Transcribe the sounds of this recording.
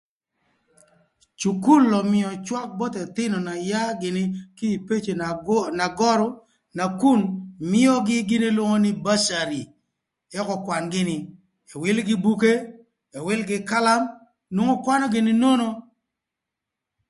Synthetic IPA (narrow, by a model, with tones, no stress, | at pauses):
t͡ʃu˨ku˦lːɔ˨mɪ˨ɔ˨t͡ʃwa˦k̚bɔ˦tɛ˨t̪ɪ˦nɔ˨na˨ja˦ɡɪ˨nɪ˦ki˦i˨pe˦t͡ʃe˨na˨ɡɔ˦ɾɔ˦ | na˨ku˦˨nmɪ˦ɔ˦ɡɪ˦ɡɪ˦nɪi˦lwo˦ŋo˦nɪ˦ba˦ʃa˨ɾi˨ | ɛ˦kɔ˨kwa˨nɡɪ˦nɪ˨ | ɛ˨wɪ˦lɡɪ˦bu˦ke˦ | ɛ˨wɪ˦lɡɪ˦ka˦la˦m | nwo˦ŋo˦kwa˦nɔ˦ɡɪ˨˦nɪ˦no˦no˦